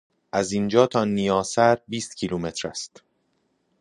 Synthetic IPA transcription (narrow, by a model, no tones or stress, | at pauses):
ʔæzind͡ʒɒːt̪ʰɒːnijɒːsæɾbiːst̪̚cʰiːlumet̪ɾæst̪